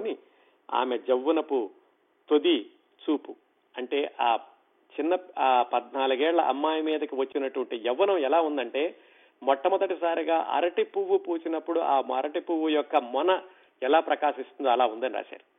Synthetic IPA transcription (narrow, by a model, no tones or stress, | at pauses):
ni | a̰ːmed͡ʒɐʋːunɐpu | t̪od̪i | t͡ʃuːpu | ɐɳʈe̞ːʔaː | t͡ʃinːɐpɐd̪naːluɡɛːɭlɐʔɐ̰mːaːjɐmiːd̪ɐkiʋɐt͡ʃːinɐʈuʋɐɳʈid͡ʒɐʋːɐnɐmɛlaːund̪ɐɳʈe̞ː | mɔʈːɐmɔd̪ɐʈisaːɾiɡaːʔɐ̰ɾɐʈipuʋːupuːt͡ʃinɐpːuɽuʔaːmɐ̰ɾɐʈipuʋːujɔkːɐmɔnɐ | ɛlaːpɾɐkaːʃist̪und̪oɐlaːund̪ɐniɾa̰ːʃa̰ːɾi